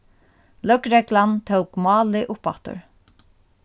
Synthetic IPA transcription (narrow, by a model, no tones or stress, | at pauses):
lœkɾɛklant̪ʰəwkmɑːlɪʔʊpat̪ʊ̰ɹ